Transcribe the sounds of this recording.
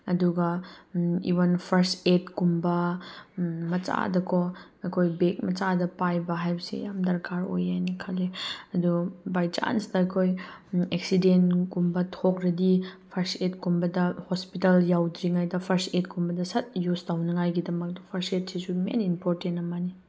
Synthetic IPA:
ɐduɡɐ | ḭβɐnpʰɐɾsetkumbɐ | mɐt͡ʃa̰dɐkʰɔɐkʰojbek̚mɐt͡ʃadɐpajbɐɦajbɐsḭjamdɐɾkaɾo̰jajnikʰaleɐdubajt͡ʃa̰nsdɐɐkʰojek̚sidentkumbɐtʰok̚ɾɐdipʰɐɾset̚kumbɐdɐhospitɐljawdɾiŋajdɐpʰɐɾset̚kumbɐdɐsɐt̚justawnɐŋajɡidɐmɐk̚dɐpʰɐɾset̚sisumḛnimpoɾtentɐmani

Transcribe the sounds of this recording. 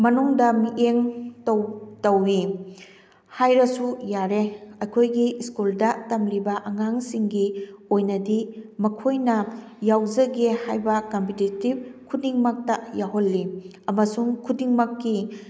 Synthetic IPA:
mɐnuŋdɐmiʔeŋtowtɐwːi | hajɾɐsujaɾeɐjkʰojɡiskuldɐtɐmɾibɐʔɐŋaŋsiŋɡiojnɐdimɐkʰojnɐ | jawzɐɡehajbɐkompʰititib̚kʰudiŋmɐk̚tɐjaɦolːi | ɐmɐsuŋkʰudiŋmɐkːi

